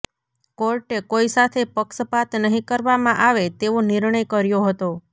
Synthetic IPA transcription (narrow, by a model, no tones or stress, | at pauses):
koɾʈekoisat̪ʰepəksəpat̪nəɦĩkəɾʋamãʔaʋet̪eʋonɪɾɳəjkəɾjoɦət̪o